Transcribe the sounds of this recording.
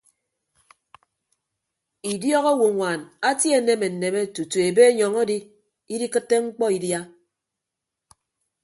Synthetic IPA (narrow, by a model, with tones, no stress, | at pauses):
i˨djɔ˦ɣo˦wu˨ŋʷa˨na˦tje˨˦ne˦me˨n̩˨ne˨me˦tu˨tu˨e˨be˦ɲɔ˨ŋo˦di˦ | i˦di˦kɨ˦tːe˦ŋ͡m̩˦k͡pɔ˦i˨dja˦